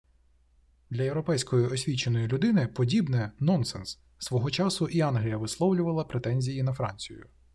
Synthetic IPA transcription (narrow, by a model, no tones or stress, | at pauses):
d̪lʲɐjewɾɔpɛjsʲkɔjiʔɔsʲʋʲit͡ʃe̞nɔjilʲʊd̪ɪnɪpɔdʲibnɛnɔnsɛ̰nsː | ʋɔɦɔt͡ʃɑsʊʔiɑnɦlʲijɐʋɪslˠɔwlʲʊʋɐlˠɐpɾet̪ɛnʲzʲijinɐfɾɑ̰nʲt͡sʲijʊ̰